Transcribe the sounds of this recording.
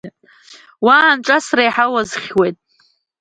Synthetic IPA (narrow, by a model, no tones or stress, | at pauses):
wanʈ͡ʂʼasrajħawazχʲwejtʼ